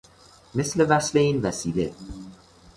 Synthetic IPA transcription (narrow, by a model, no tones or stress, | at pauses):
me̞sle̞væsle̞iːnvæsiːlḛ